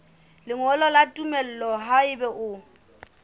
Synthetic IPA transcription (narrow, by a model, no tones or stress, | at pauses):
lɪŋɔlɔlatʼumɛl̩lɔɦaɪbɛʔʊ